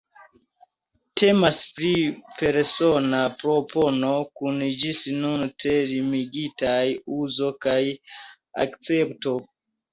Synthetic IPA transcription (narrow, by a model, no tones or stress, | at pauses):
tʰe̞maspɾipe̞ɾso̞napɾo̞po̞no̞kund͡ʒisnunte̞ɾimiɡitajuzo̞kaj | a̰kt͡se̞pto̞